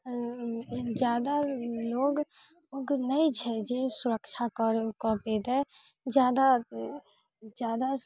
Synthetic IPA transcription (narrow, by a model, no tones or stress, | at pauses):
d͡ʒjaːd̪aloːɡ | oɡnəit͡ʃʰɛd͡ʒesʊɾəkt͡ʃʰakɔɾkɔped̪ɛ | d͡ʒjaːd̪a | d͡ʒjaːd̪a